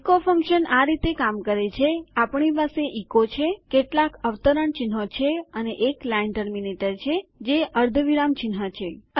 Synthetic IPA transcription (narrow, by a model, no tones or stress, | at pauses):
kofʰəŋkʃənaɾit̪ekamkəɾet͡ʃʰeapɳipaseʔikot͡ʃʰekeʈlakəʋt̪əɾəɳt͡ʃɪnɦot͡ʃʰeəneʔeklaeɳʈəɾminiʈəɾt͡ʃʰed͡ʒeəɾd̪ʱəʋiɾamt͡ʃɪnɦat͡ʃʰe